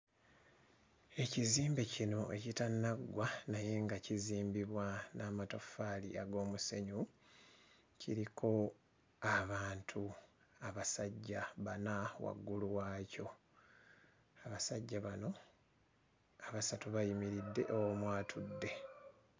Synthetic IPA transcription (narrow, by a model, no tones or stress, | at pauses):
e̞ciziːmbecino̞ʔe̞citanːaɡwanaje̞ŋɡaciziːmbiβwanaːmato̞faːlḭaɡo̞ːmuse̞ɲu | ciɾikʰo̞ | aβaːntʰu | aβasaɟːaβanawa̰ɡːuluwaːco̞ | aβasaɟːaβano̞ | aβasatuβajimiɾidːe̞̰ʔowomwaːtʰudːe̞